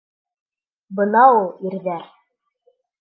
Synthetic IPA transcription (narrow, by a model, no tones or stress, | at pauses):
bɤ̆nɑulˠiɾðæɾ